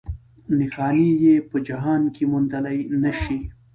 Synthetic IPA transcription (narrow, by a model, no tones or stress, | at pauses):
nixaːnijepəd͡ʒɐɦaːnkimʊnd̪ɐlɐjnɐʃi